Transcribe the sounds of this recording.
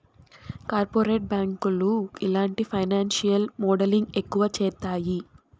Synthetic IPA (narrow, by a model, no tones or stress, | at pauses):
kaːɾpoːɾeːʈ̚baːŋkuluilaːɳʈipʰɐjnaːnʃijɐlmoːɖɐliŋɡe̞kːuʋɐt͡ʃɛːt̪aːji